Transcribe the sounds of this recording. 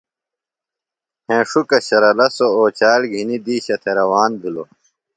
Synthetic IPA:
hẽːʂukɐɕɐɾɐlɐsooːt͡ɕaːlɡʱinid̪iːɕɐt̪ʰeɾɐwaːnb̪ʱilo

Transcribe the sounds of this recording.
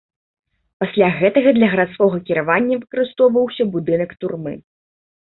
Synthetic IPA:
pasʲlʲaɣɛt̪ɐɣɐd̪lʲɐɣɐɾat̪skɔɣɐkʲiɾavanʲːɐvɨkɐɾɨst̪ɔwvɐwsʲɐbud̪ɨnɐkt̪urmɨ̰

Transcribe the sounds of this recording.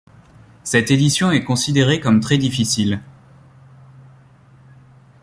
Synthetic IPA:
sɛt̪ed̪isjɔ̃ɛkɔ̃sid̪eʁekɔmt̪χɛd̪ifisil

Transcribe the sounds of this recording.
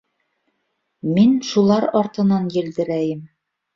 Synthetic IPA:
minʃulˠɑɾɒɾt̪ɤ̆nɑnjɘ̆ld̪ɘ̆ɾæjɘm

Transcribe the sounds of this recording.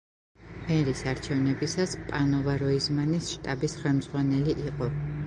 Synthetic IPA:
mɛɾisaɾt͡ʃʰɛvnɛbisaspʼanɔvaɾɔizmanisʃt̪ʼabisχɛlˠmd̪zʁwanɛliʔiqʼɔ

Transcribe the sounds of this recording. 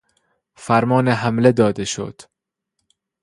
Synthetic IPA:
fæɾmɒːneɦæmled̪ɒːd̪eʃo̰d̪̥

